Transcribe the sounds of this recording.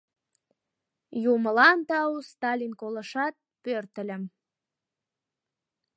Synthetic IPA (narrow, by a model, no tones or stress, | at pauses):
juməlɑnt̪ɑust̪ɑlʲinkoləʃɑt̪̚pørt̪ə̆lʲə̆m